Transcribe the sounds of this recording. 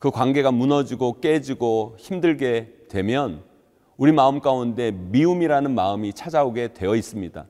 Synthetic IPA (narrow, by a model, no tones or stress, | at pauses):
kɯkwanɡe̞ɡamunʌd͡ʑiɡok͈e̞d͡ʑiɡoçimdɯɭɡe̞twe̞mjʌn | uɾimaɯmk͈aunde̞miumiɾanɯnmaɯmit͡ɕʰad͡ʑaoɡe̞twe̞jʌis͈ɯmɲida̰